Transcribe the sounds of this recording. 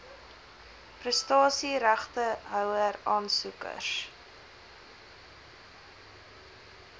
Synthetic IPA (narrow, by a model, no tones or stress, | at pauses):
prəstɑːsiɾæχtəɦœwəɾɑːnsukə̰s